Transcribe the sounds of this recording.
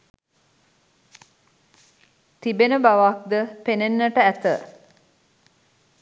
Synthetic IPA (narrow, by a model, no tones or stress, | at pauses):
t̪ibenəbaʋak̚d̪əpenenːəʈəæt̪ə